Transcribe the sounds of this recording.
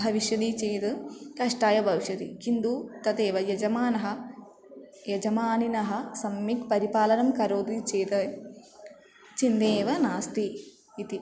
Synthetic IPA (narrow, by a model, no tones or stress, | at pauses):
ɦɐʋiʃjɐd̪it͡ʃeːjt̪ɐkɐʂʈaːjɐbʱɐʋiʃjɐd̪ḭkind̪ut̪ɐt̪eːʋɐjɐd͡ʒɐmaːnɐɦɐ̆ | jɐd͡ʒɐmaːninɐɦɐ̆sɐmːikpɐɾipaːlɐnɐmkɐɾoːd̪it͡ʃeːt̪ɐ | t͡ʃind̪eːʋɐnaːst̪iː | t̪i